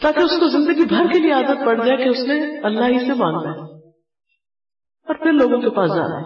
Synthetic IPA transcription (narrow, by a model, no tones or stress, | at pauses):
t̪aːkeʊskozɪ̃nd̪əɡibʱɐɾkelieaːdət̪̚pɐɽd͡ʒaːekeʊsnẽɐlːaːɦisemãːŋɡd̪aɦɛ | ɔːɾpʰɪɾloːɡõkepaːsd͡ʒa̰ːna̰